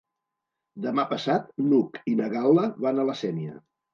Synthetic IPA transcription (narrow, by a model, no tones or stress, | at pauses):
d̪əmapəsat̪̚nukinəɣalˠəβanələsɛniə̰